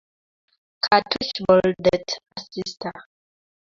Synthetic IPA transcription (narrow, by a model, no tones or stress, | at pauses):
kʰatʰuʃbɔldɛtasistʰa